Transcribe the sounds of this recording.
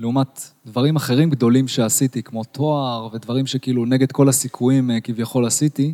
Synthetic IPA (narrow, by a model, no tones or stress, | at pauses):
leumat̪d̪vaʁimaχe̞ʁimɡd̪o̞limʃe̞asit̪ikmo̞t̪ʰo̞aʁve̞d̪vaʁimʃe̞kiiːluneɡe̞d̪ko̞lasikʰujimkivjaχo̞lasit̪i